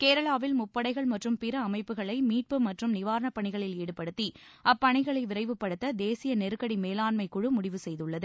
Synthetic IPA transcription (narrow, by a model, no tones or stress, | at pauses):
keːɾɐɭaːʋɪlmʊpːɐɽɐɪɣɐɭmɐʈrɯmpɪɾɐːmɐɪpːɯɣɐɭɐɪmiːʈ̚pɯmɐʈrɯmnɪʋaːɾɐɳɐpːɐɳɪɣɐɭɪleːɽɯpːɐɽɯt̪ːi | ʔɐpːɐɳɐɪɣɐɭɐɪʋɪɾɐɪʋɯpːɐɽɯt̪ːɐd̪eːsɪjɐnɛɾɯkːɐɽimeːlaːnmɐɪkʊɻɯmʊɽɪʋɯsɛjðɯɭːɐðɯ